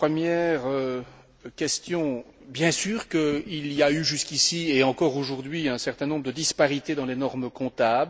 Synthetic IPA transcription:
pχəmjɛʁø | kʲɛst̪jɔ̃ | bjɛ̃syːʁkəiliayʒyskʲisieɑ̃kɔʁoʒuʁd̪ɥiɛ̃sɛʁt̪ɛ̃nɔ̃bʁəd̪əd̪ispaʁit̪ed̪ɑ̃lenɔʁmkɔ̃t̪abl

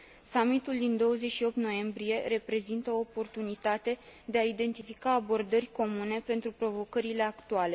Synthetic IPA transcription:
samit̪uld̪ind̪o̞wəze̞ʃio̞p̚t̪no̞je̞mbɾije̞re̞pɾe̞zint̪əoːpo̞rt̪unit̪at̪e̞d̪e̞aid̪e̞nt̪ifikaːbo̞rd̪ərʲko̞mune̞pe̞nt̪ɾupɾo̞vo̞kəɾile̞akt̪uale̞

